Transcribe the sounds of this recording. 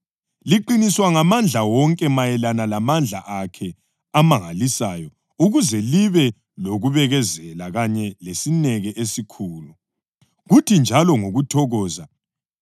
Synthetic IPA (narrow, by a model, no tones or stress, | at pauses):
liǃiniswaŋamand͡ɮʱawɔŋkʼɛmajɛlanalamand͡ɮʱa̰ʔakʰɛ | amaŋalisajɔ | uɣuzɛliβɛ | loɣuβɛɣɛzɛlaɣaɲɛlesinɛɣɛʔesikʰuːlu | ɣutʰind͡ʒʱalɔŋoɣutʰɔɣɔːza